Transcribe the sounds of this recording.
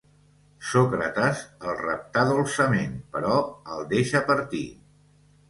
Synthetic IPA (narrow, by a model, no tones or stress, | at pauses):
sokɾət̪əzəlˠrə̰p̚t̪aðolˠsəmenpəɾɔəlˠd̪eʃəpəɾt̪ḭ